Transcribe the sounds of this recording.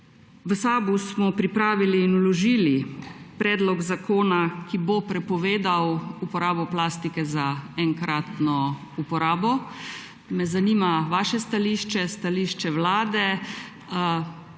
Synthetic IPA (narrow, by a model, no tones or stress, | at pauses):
ʋəsaːbusmɔpɾipɾaːʋiliːnwlɔʒiːlipɾɛːd̪lɔɡzakoːnakibopɾɛpɔʋeːd̪awupɔɾaːbɔplaːst̪ikɛzaɛŋkɾat̪nɔ | upɔɾaːbɔ | mɛzanimaʋaːʃɛst̪aliːʃt͡ʃɛst̪aliːʃt͡ʃɛʋlaːd̪ɛ